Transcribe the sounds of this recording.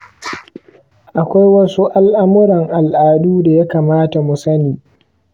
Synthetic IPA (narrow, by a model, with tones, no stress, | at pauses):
ʔa˨kʷa˦jwɐ˦su˦ʔa˦lʔa˦mʊ˦ɾɐ˨ŋʔa˨lʔaː˨duː˦da˨ja˦kaː˨maː˦ta˨mʊ˨sɐ˦niː˨